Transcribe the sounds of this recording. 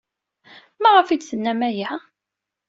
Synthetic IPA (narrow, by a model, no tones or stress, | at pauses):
mæʁəfid̪θənːæmæjæ